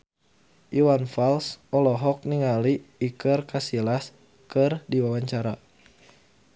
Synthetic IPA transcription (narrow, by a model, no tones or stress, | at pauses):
ʔiwanfalsɔlɔɦɔk̚niŋaliːkɨrkasilas | kɨrdiwawaɲt͡ʃaɾa